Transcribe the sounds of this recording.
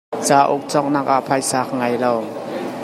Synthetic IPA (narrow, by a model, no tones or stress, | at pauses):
t͡saːʔʊk̚t͡sɔk̚nak̚ʔaʔpʰajsak̚ŋajlɔw